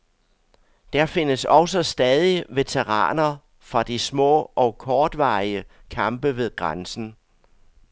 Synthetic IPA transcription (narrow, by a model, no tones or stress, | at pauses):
d̥æɐfe̝nəsɒ̽ʊsəsd̥ɛːð̞ˠiʋe̝t͡sʰeʁɑ̰̈ːnɐ | fʁɑ̈d̥ismɔ̰ːɒ̽ʊkʰɒːd̥ʋɑ̰̈ɪiəkʰɑ̈mb̥əʋe̝ð̞ˠɡ̥ʁɑnsn̩